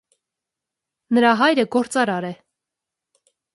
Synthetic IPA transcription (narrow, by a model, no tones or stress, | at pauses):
nəɾɑɦɑjɾəɡɔɾt͡sɑɾɑɾɛ